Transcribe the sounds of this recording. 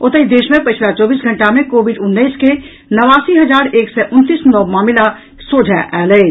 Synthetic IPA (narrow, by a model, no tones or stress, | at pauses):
ʊt̪əid̪eːʃmẽpɐt͡ʃʰlat͡ʃɔːbiːs̬ɡʱɐ̃ɳʈamẽkoːʋɪɖʊnːəiske | nɐʋaːsiɦɐd͡ʒaːɾeːksɛʔʊnt̪iːsnɔːmaːmɪla | soːd͡ʒʱaʔɛːləː